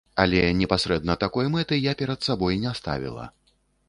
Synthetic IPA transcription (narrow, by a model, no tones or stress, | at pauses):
alʲɛnʲɛpasʲɾɛd̪nɐt̪akɔjmɛt̪ɨjapʲɛɾɐt̪sabɔjnʲɛst̪a̰vʲḭlˠɐ̰